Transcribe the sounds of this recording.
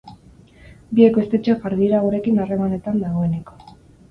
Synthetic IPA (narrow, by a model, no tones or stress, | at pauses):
biekest̪e̞t͡ʃefaɾðiɾaɣuɾe̞kinare̞mane̞t̪and̪aɣ̞o̞e̞ne̞ko̞